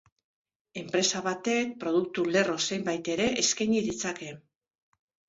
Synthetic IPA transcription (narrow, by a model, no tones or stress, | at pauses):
e̞mpɾe̞saβat̪e̞k̚pɾo̞ðuk̚t̪ule̞ro̞se̞jmbajt̪e̞ɾe̞ʔeskajɲiðit͡sake̞